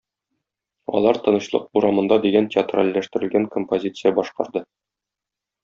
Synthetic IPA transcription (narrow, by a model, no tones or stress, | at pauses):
ɒ̰lˠɑɾt̪ɤ̆nɤ̆ɕlˠɤ̰q̚uɾɑmɤ̆nd̪ɑd̪iɡæntʲɪat̪ra̰lːæʃt̪ɘ̆ɾɘ̆lɡæŋkompozʲit̪sɨjɑbɒʃqɑ̰ɾd̪ɤ